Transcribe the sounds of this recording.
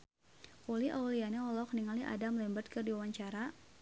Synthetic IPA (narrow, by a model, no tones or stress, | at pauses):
koliʔawlianɛɔlɔk̚niŋaliʔa̰damlɛmbərt̪̚kərdiwawaɲt͡ʃaɾa